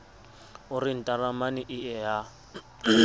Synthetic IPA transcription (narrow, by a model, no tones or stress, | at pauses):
ʊrin̩tʼaramaniʔɪɛɦa